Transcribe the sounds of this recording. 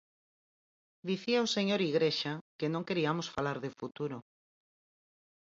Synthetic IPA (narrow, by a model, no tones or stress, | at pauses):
d̪iθiaoseɲoɾiɣɾeʃakenõŋkeɾiamosfalaɾðefut̪uɾo